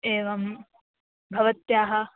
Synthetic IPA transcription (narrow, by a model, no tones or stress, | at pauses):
eːʋɐm | bʱɐʋɐt̪jaːɦɐ̆